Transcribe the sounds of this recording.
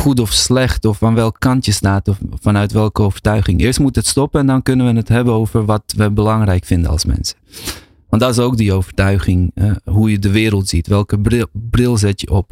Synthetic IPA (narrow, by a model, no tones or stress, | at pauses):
χut̬ɔfslɛxtɔfanʋɛlˠkkːɑntjəstaːtɔfanœɥtʋɛlˠkəoːvərtœɥχɪŋɪːrstmutətstɔpəɛndɔnkønənʋənətɦɛbənoːvərʋɔtʋəbəlɑŋrɛjkfɪndəɑ̰lˠsmɛ̰nsə | ʋɑntdɔtɪs̬oːk̚diowvərtœɥχɪŋɦujədəʋɪːɾəlˠtz̥itʋɛlˠkəbrɪlˠzɛtjəʔɔp